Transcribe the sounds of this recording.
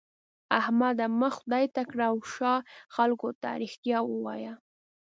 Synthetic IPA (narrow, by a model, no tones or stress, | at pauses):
ahmad̪aməxʊd̪ɑjt̪akɽaːwʃɑxalkot̪a̰ɾixt̪jɑwəwɑ̰ja